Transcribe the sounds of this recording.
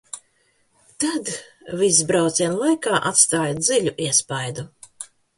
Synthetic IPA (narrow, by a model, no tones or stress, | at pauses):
t̪ad̪ | visbɾawt̪siɛnlˠajkaːʔat̪st̪aːjd̪ziʎʲuʔiɛspajd̪u